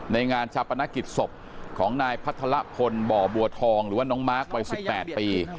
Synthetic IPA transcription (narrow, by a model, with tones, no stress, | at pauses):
na˧jŋaː˧nt͡ɕʰaː˧˩pa˧na˦˥ki˨˩t̪̚so˨˩p̚ | kʰɔː˩˦ŋnaː˧jpʰa˦˥t̪ʰːa˧la˦˥pʰo˧nbɔː˨˩bu˧ɐt̪ʰɔː˧ŋɾɯː˩˦waː˥˩nɔː˦˥ŋmaː˦˥˩k̚wa˧jsi˨˧˩pːɛː˨˩t̪̚piː˧